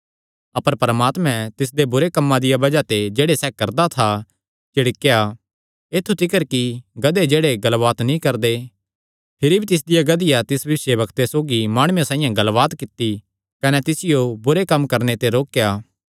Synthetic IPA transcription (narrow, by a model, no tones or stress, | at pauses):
ɐpəɾpɐɾəmaːt̪mɛ̃t̪ɪs̬d̪ebʊɾekɐmːãd̪ɪjabɐd͡ʒat̪ed͡ʒeːɽesɛːkɐɾd̪at̪ʰa | t͡ʃɪɽɪkːja | eːt̪ʰːut̪ɪkəɾkiɡɐd̪ed͡ʒeːɽeɡɐlʋaːt̪nĩkɐɾd̪e | pʰɪɾibʱit̪ɪs̬d̪ɪjaɡɐd̪ɪjat̪ɪsbɐɪsjebɐkt̪esoːɡimaːɽ̃ʊjãsãːĩjãɡɐlʋaːt̪kɪt̪ːi | kɐnɛt̪ɪsɪjobʊɾekɐmkɐɾnet̪eɾoːkjaː